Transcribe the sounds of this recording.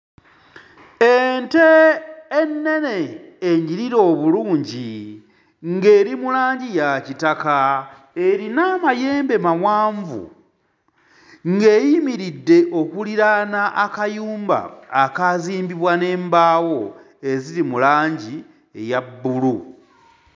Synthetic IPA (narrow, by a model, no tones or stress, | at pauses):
enteː | nːe̞ne̞ːɲiɾiɾo̞ːβuluːɲɟi | ŋɡe̞ːɾimulaːɲɟijacitaka | eɾinaːmaje̞ːmbe̞mawaːɱvṵ | ŋɡe̞jimiɾidːe̞ʔo̞kuliɾanaʔakajuːmba̰ːkaziːmbiβwane̞ːmbaːwo̞ | e̞ziɾimulaːɲɟi | ejabːulu